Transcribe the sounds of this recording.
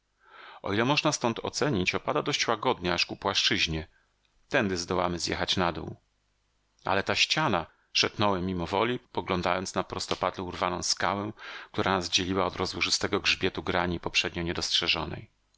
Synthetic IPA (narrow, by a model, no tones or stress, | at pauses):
ɔ̰ilɛmɔʐnast̪ɔnt̪ʰɔ̰t̪sɛɲit͡ɕɔpad̪ad̪ɔɕt͡ɕwaɡɔd̪ɲɛaʂkupwaʂt͡ʂɘʑɲɛ | t̪ɛnd̪ɘzd̪ɔwamɘzʲjɛ̰xat͡ɕnad̪ṵw | a̰lɛt̪aɕt͡ɕana | ʂɛpnɔwɛmʲimɔvɔlʲipɔɡlɔnd̪ajɔnt̪snapɾɔst̪ɔpad̪lɛuɾvanɔ̃w̃skawɛkt̪uɾanazd͡ʑelʲiwaɔd̪ɾɔzwuʐɨst̪ɛɡɔɡʐbʲjɛt̪uɡɾaɲipɔpʂɛd̪ɲɔɲɛd̪ɔstʂɛʐɔnɛ̰j